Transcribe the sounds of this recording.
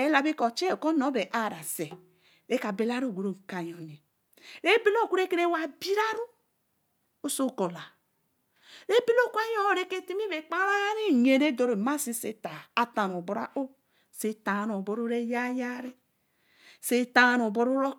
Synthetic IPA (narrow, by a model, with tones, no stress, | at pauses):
e˦la˨bi˦ko˨t͡ʃe˦˨ko˦no˨˦be˨ʔa˦˨ɾa˨se˨ | ɾe˦ka˨be˨la˦ɾu˦˨ɡʷu˨ɾo˦˨ka˨jo˨ni˨ | ɾe˦bi˦lo˦˨ku˦ɾe˦ke˦ɾe˦˨wa˨bi˦ɾa˦ɾu˦ | o˦so˦˨ko˨la˨ | ɾe˦bi˦lo˦˨kʷa˦jo˦˨ɾe˦ke˦ti˦mi˦βe˨k͡pa˦ɾa˦ɾi˦˨ɲe˨ɾe˦do˨ɾe˨ma˦si˦se˨ta˨a˨ta˨no˨bo˨ɾa̰˦ʔo˦ | se˦ta˨ɾo˨bo˦ɾu˦ɾe˦ja˦ja˦ɾi˦ | se˨ta˦ɾo˨bo˦ɾu˦ɾo˦